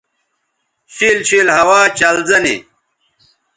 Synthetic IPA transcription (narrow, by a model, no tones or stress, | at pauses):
ɕiːlɕiːlhɐwaːt͡ɕɐlzɐnḭ